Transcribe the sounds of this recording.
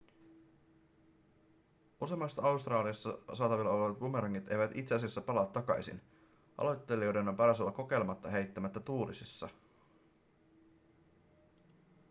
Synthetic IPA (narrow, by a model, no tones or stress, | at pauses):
ʔuse̞mɑsːɑɑust̪rɑːliɑsːɑsɑːt̪ɑʋilːɑoleʋɑt̪̚bumeɾɑŋːit̪e̞̰jʋæt̪ḭt̪seɑsesːæpɑlɑt̪ːɑkɑ̰jsḭn | ʔɑ̰lo̞jt̪ːe̞lio̞jde̞no̞mpɑɾɑsolːɑko̞ke̞jlemɑt̪ːɑɦejt̪ːæmæt̪ːæt̪uːlisisːɑ̰